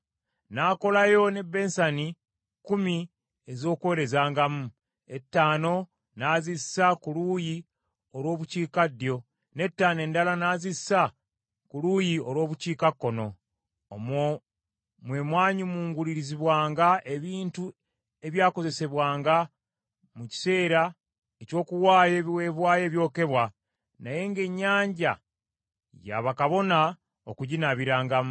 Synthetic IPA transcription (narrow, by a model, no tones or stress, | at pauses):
naːko̞lajo̞ne̞bːe̞ːnsani | kumi | ezo̞ːkwe̞ɾe̞zaːŋɡamu | e̞tːaːno̞ | naːzisakuluji | olwo̞ːβuciːkadjo̞ | ne̞tːaːne̞ːndalanaːzisa | kulujio̞lwo̞ːβuciːkakːo̞no̞ː | m | mwe̞ːmwaːɲimuːŋɡuliɾiziβwaːŋɡaʔe̞βiːntu | e̞βjaːko̞ze̞se̞βwaːŋɡa | muci̥se̞ːɾa | eco̞ːkuwaːjeβiwe̞βwaːje̞ːβjo̞ːke̞βwa | naje̞ŋɡe̞ɲːaːɲɟa | ja̰βakaβo̞na | okuɟinaβiɾaːŋɡa